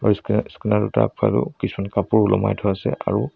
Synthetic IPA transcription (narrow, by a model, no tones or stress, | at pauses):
isskinaɹuta̰kʰa̰lukisʰumankapuɹulɔma̰jtʰɔasɛʔa̰ɹu